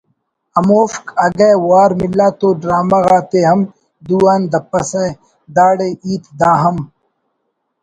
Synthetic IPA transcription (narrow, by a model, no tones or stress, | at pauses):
ɐmoːfkɐɡɐjwaːɾmilːaːt̪oːɖɾaːmɐɣaːt̪eɦɐm | d̪uːaːnd̪ɐpːɐsɐ̃ | d̪aːɽeʔiːt̪d̪aːɦɐm